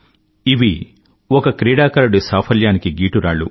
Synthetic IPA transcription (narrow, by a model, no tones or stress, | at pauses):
iʋi | ɔkɐkɾiːɽaːkɐɾɐɽusaːpʰɐljaːnikiɡiːʈuɾa̰ːɭːṵ